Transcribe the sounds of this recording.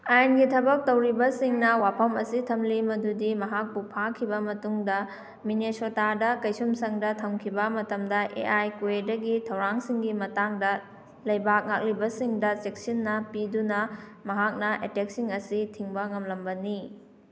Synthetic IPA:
ajnɡitʰɐbɐk̚tɐwɾibɐsiŋnɐwapʰɐmɐ̰sitʰɐmlimɐdudimɐɦak̚pupʰakʰːibɐmɐtuŋdɐ | minesotadɐkɐjsumsɐŋdɐtʰɐmkʰibɐmɐtɐmdɐʔḛʔajkuedɐɡitʰɐwɾaŋsiŋɡimɐtaŋdɐ | lɐjbak̚ŋak̚libɐsiŋdɐt͡ʃek̚sinːɐpidunɐmɐɦak̚nɐʔetek̚siŋɐsitʰiŋbɐŋɐmlɐmbɐni

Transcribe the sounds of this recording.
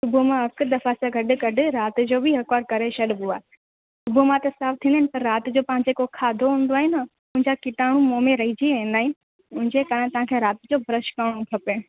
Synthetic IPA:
sʊbumãɐkd̪ɐfasaɡʱɐɖɪ̆kɐɖɪ̆ɾaːt̪ɪ̆d͡ʑoːbɪɦɐkʋaːɾkɐɾeʃɐɗbuaːɦe | sʊbumãt̪ɐsaːft̪ʰĩnaɦɪnɪpɐɾːaːt̪d͡ʑoːpãɦɪ̃ɲd͡ʑekokʰaːd̪ʱoɦũːnd̪oaːɦɪnɐ | ʊ̃ɦɪ̃ɲd͡ʑakɪʈaːɽ̃ũmoːmẽɾɐɦid͡ʑiʋẽːnd̪aːɦɪnɪ̆ | ʊ̃ɦɪ̃ɲd͡ʑekaːɾə̃ɪt̪ɐʋ̤ãːkʰeɾaːt̪d͡ʑoːbʱɐɾəʃkaːɽ̃õkʰɐpe

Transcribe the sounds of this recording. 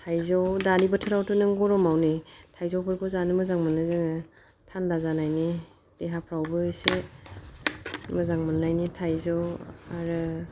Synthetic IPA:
tʰajzɔwdaɾibɯtʰɯɾawtʰɯnɯŋɡɔɾɔmawnitʰajzɔwpʰɯɾpʰɯzanɯmɯzaŋmɯnɯzɯŋ | tʰanbazanajni | d̥eɦapʰɾawbɯse | mɯzaŋmɯnːajnitʰajzɔwaɾɯ

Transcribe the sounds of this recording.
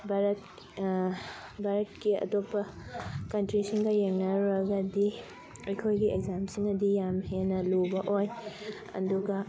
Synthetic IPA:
baɾɐt | baɾɐt̚kiɐ̰topːɐkɐntɾisiŋɡɐjeŋnɐɾɐɡɐdi | ojkʰojɡiekzamsiŋnɐdijamhenɐlubɐʔoj | ɐ̰duɡɐ

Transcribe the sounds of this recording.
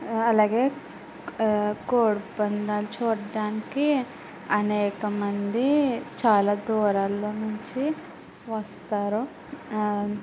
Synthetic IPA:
ɐlaːɡeː | koːɽbɐnd̪aːlut͡ʃuːɾɖaːniki | ɐnɛːkɐmɐnd̪it͡ʃaːlaːd̪ɔːɾaːlːoːnuɲt͡ʃi | ʋɐst̪aːɾu

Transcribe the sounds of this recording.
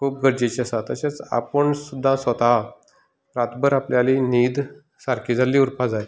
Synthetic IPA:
kʰuːp̚ɡəɾd͡ʑet͡ɕiasat̪əɕet͡sa̰pəɳsud̪ʱːãsət̪a | pɾat̪bəɾapljaliniːd̪ | saɾkʰiːd͡zʱalːiuɾpad͡zale

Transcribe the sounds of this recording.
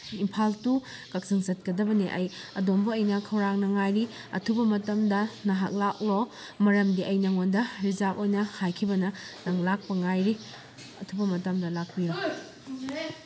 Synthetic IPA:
impʰaltukɐk̚siŋzɐt̚kɐdɐbɐneʔɐjɐdombɐːjnɐkʰɐwɾaŋnɐŋajɾi | ɐ̰tʰubɐmɐtɐmdɐnɐɦa̰k̚lak̚lo | mɐɾɐmdiʔɐjnɐŋondɐɾizapojnɐhajkʰibɐnɐnɐŋlak̚pɐŋajɾi | ɐtʰubɐmɐtɐmdɐlak̚piɾo

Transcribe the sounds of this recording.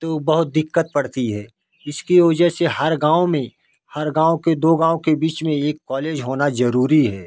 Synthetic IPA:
t̪oːbɐɦʊt̪̚d̪ɪkːət̪̚pɐɽt̪iɦɛː | ɪskiʋɐd͡ʒəɦsehɐɾɡãːomẽ | hɐɾɡãːõked̪oːɡãːwõkebiːt͡ʃmẽeːkːɔːleːd͡ʒɦoːnazɐɾuːɾiɦɛː

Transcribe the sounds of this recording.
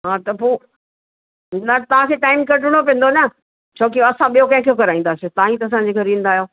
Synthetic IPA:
ɦaːt̪ɐpoː | nat̪ɐʋãkʰeːʈaːɪmkɐʈɪɽ̃opẽːn̆d̪onɐ | t͡ɕʰoːk̬ioɐsãɓijokɐ̃ɦɪ̃kʰejokɐɾaːĩːn̆d̪aːsiot̪ãːɦĩt̪ɐɐs̬ãɲd͡ʑekʰeɾĩːnd̪aːjoː

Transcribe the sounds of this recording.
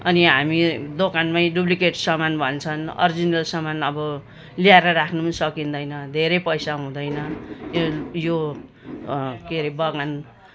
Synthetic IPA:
ʌniɦamid̪okanmajɖublikeʈsʌmanbʱʌnt͡sʰʌnʌ̰rd͡zinʌlsʌmanʌbʌ | liaeɾʌɾakʰnumsʌkind̪ʌjnʌd̪ʱeɾʌjpʌjsaɦũd̪ʌjnʌ | jo | keɾibʌɡan

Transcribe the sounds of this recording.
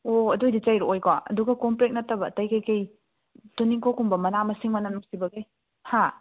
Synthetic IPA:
oɐdojdit͡ʃajɾuojkaɐ̰duɡɐkompɾek̚nɐtːɐbɐtɐjkajkɐj | tuniŋkʰokumbɐmɐnamɐsiŋmɐnanuŋsibɐɡe | ha

